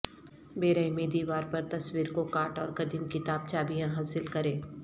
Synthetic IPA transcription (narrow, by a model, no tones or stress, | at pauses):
beːɾəimeːd̪iʋaːɾpɐɾt̪ɐswiːɾkokaːʈɔːɾkɐd̪imkɪt̪aːb̚t͡ʃaːbijãɦaːsɪlkɐɾẽː